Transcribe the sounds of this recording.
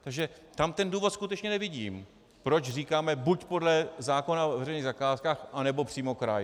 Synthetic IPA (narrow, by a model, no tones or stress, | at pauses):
t̪aɡʒɛ | t̪amt̪ɛnduːvo̞t̪skut̪ɛt͡ʃɲɛnɛvɪɟiːm | pɾo̞t͡ʃr̝iːkaːmɛbucpo̞dlɛzaːko̞navvɛrɛjniːɣzakaːskaːxʔanɛbo̞pr̥iːmo̞kɾa̰j